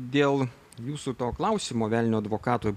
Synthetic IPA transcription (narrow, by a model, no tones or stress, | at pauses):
d̪ʲeːlˠ | juːsut̪oːklˠɐʊsʲiːmoːʋʲælʲnʲoːɐd̪ʋoːkɑːt̪oːj